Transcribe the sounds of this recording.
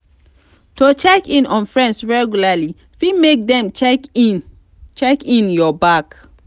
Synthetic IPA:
tot͡ʃɛkĩnɔ̃nfɹɛ̃ndsɹɛɡjulali | fimek̚dɛ̃mt͡ʃɛk | t͡ʃɛkĩnjɔbak

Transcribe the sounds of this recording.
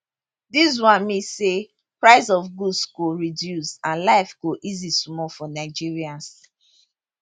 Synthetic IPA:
dis̬wãnmĩse | pɹaɪsɔfɡudsɡoɹidjusãnlaɪfɡ̥oʔizismɔfɔnaɪd͡ʒiɹiãns

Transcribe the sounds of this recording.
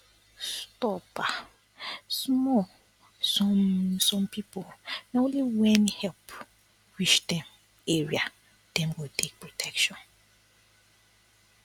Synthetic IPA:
stɔpa | smɔ | sɔsɔ̃mpiponaõnliwɛ̃nhɛlp | wiʃdɛ̃m | eɹia | d̥ɛ̃mɡotʰek̚pɹotʰɛkʃɔ̃n

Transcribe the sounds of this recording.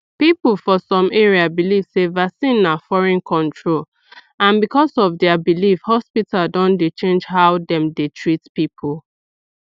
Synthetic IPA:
pipl̩fɔsɔ̃meɹiabiliv̥sevasĩnːafɔɹɛ̃nkʰɔ̃ntʰɹol | ãnbikɔsɔvdɛabilifhɔspitaldɔ̃ndet͡ʃẽnd͡ʒhaʊdɛ̃mdetʰɹitpipʰul

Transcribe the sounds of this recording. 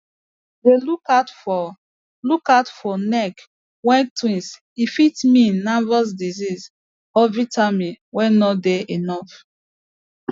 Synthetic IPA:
delukatfɔ | lukatfɔnɛk | wɛ̃ntʰwĩns | ifitminːavɔs̬dizis | ɔvitamiwɛ̃nnɔdɛʔenɔf

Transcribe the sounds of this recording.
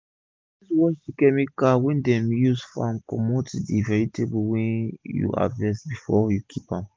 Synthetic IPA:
iswɔʃikɛmikawɛ̃ndɛ̃mjuzfɔãmkɔ̃motdivɛɹitʰebuwɛ̃njṵa̰vɛsbifɔjukʰipãm

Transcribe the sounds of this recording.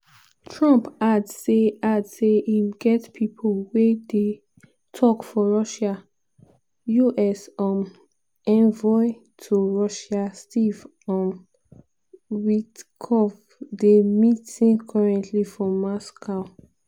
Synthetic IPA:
tʰɹɔ̃mpadzseadseimɡɛtpʰipʰolwede | tʰɔkfɔɹɔʃa | juʔɛsɔ̃m | ɛ̃nvɔɪ | tʰuɹɔʃastʰiv | ɔ̃n | wikʰɔv | demitĩŋkʰɔɹɛ̃ntʰlifɹɔ̃mːɔskʰaʊ

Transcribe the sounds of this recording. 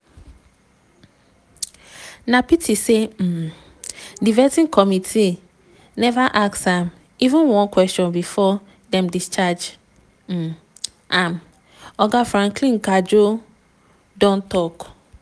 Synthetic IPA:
napitʰisem̩ | divɛtĩnkʰɔmitʰi | nɛvaʔaksãm | ivũnwɔ̃nkwɛstɔ̃nbifɔ | dɛ̃mdist͡ʃad͡ʒ̩ | ʔãm | ɔɡafɹãŋklĩnkad͡ʒo | dɔ̃ntɔk

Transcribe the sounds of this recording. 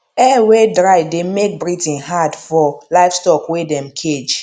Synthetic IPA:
ɛwedɹaɪdemek̚bɹitĩnɦadfɔlaɪfstɔkwedɛ̃mkʰed͡ʒ

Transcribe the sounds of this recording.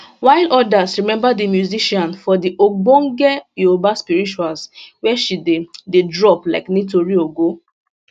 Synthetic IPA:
waɪlɔdasɹimɛ̃mbadimjuziʃɔ̃nfɔdiʔoɡ͡bõŋɡɛjobaspiɹit͡ʃualswɛʃidededɹɔpla̰ɪknitoɹioɡo

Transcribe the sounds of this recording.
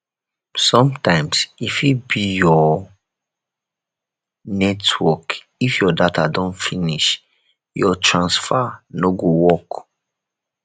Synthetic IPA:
sɔ̃mtãɪ̃msifibijɔ | nɛtʰwɔk | ifjɔdatadɔ̃nfiniʃ | jɔtʰɹãnsfanoɡowɔk

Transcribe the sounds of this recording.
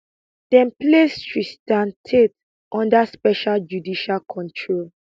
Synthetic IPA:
d̥ɛ̃nplestɹistãntʰet | ʔɔ̃ndaspɛʃald͡ʒudiʃalkʰɔ̃ntʰɹol

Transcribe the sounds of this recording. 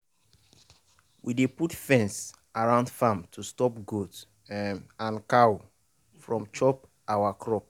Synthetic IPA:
wideputfɛ̃ns | aɹãʊ̃ndfãmtʰustɔpɡot | ãnkaw | fɹɔ̃mt͡ʃɔp | awakʰɹɔp̚

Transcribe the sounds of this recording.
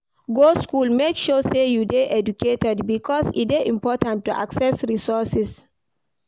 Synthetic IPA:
ɡoskulmekʃosejudeʔɛd͡ʒukʰetɛdbikʰɔsḭteʔĩmpɔtãntːuʔa̰ksɛsɹisɔsis

